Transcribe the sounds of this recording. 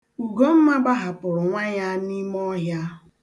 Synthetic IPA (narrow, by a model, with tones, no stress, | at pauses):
u˨ɡo˦m̩˦ma˦ba˦ɦa˨pʊ˨ɾʊ˨ŋʷa˦ɲa˦ni˦m˦ɔ˦ɦja˦